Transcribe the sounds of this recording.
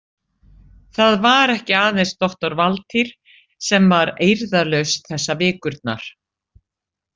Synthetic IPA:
θaðvaɾɛhcɪaːðenst̪ɔht̪ɔɾvalt̪ʰiɾ̥ | sɛmvaɾejɾðalœɥsθɛsːavɪːkʏɾt̪̚na̰ɾ̥

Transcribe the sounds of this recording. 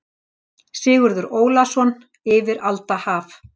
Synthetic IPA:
sɪːɣʏɾðʏɾoːwlasɔn | ɪːvɪɾalt̪ahaːf

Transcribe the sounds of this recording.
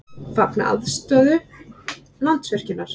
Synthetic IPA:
fapnaa̰ðst̪œːðʏ | lan̥t̪svɛr̥cɪnːaɾ̥

